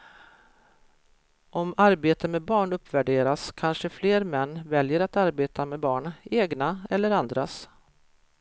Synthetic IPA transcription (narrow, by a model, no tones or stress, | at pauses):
ʔɔmaɾbeːt̪əmɛːbɑːɳɵpːvæɖeːɾaskʰanʂəfleːɾmɛnːvɛljəɾat̪aɾbeːt̪ʰamɛːbɑːɳeːɡnaɛlːəɾand̪ɾas